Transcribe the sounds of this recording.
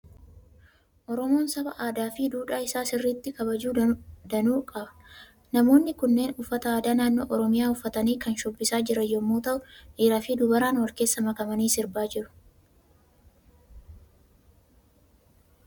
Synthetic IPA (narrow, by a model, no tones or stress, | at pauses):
ʔɔɾɔmo̞ːnsɐbɐʔaːd̪aːfiːd̪uːᶑaːɪsaːsɪrːiːt̪ːɪkɐbɐd͡ʒuːd̪ɐnuːkʼɐbɐ̥ | nɐmo̞ːnːɪkʊnːe̞ːnʔʊfːɐt̪ɐaːd̪aːnaːnːo̞̰ːʔɔɾɔmɪjaːʊfːɐt̪ɐniːkɐnʃʊbːɪsaːd͡ʒɪɾɐjːɔmːoːt̪ɐʔʊʔiːɾɐfiːd̪ʊbɐɾaːnwɐɾke̞ːsːɐmɐkɐmɐniːsɪɾbaːd͡ʒɪɾʊ̥